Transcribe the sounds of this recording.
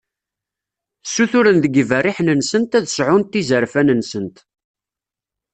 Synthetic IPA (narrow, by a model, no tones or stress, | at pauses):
sːuθʊɾənðəɡværːiħnənsənt̪æðəsʕʊnt̪ːizəɾfænənsənt̪